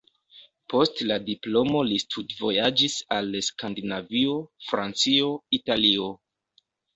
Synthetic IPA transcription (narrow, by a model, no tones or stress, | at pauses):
po̞stladiplo̞mo̞listʰutvo̞jad͡ʒisaleskandinavio̞fɾant͡sio̞italio̞